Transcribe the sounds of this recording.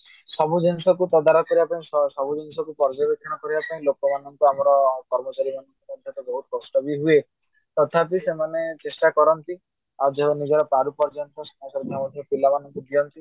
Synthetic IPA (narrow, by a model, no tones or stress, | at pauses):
sɔbud͡ʒɔnsɔkut̪ɔd̪aɾɔkɔɾibapaĩssɔbud͡ʒinsɔkupɔɾd͡ʒɔbek̪ʰːɔɽ̃ɔkɔɾibapaĩlokɔmanɔŋkuamɔɾɔkɔɾmɔt͡ʃaɾimanɔŋkukɔntʰat̪ɔbɔɦut̪ɔkɔsʈɔbiɦue | t̪ɔt̪ʰapisemanet͡ʃesʈakɔɾɔnt̪i | ad͡ʒɔnid͡ʒɔɾɔpɾaɾupɔɾd͡ʒɔnt̪ɔsɔ̥masɔɾd̪ʱjamɔd̪ʱjɔpilamanɔŋkud̪iɔnt̪i